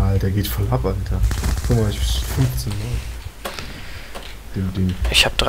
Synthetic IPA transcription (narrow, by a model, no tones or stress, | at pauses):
aːldeːɐɡeːtfɔlʔapʔaltʰɐfʊmaffʏnft͡seːnmaːl | d̥eːmdeːnʔɪçhaːbəd̥ʁ